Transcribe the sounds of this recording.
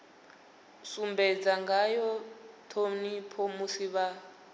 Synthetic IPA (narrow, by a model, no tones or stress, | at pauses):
sumbɛd͡zaŋɡajɔtʰonipʰomusiβa